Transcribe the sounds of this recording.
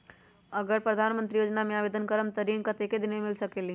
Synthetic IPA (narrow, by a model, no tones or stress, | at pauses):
əɡəɾpɾəd̪ʱanmə̃nt̪ɾijoːd͡ʒnamẽabed̪ʱənkəɾəmt̪əɾinkət̪eked̪inemilsəkeli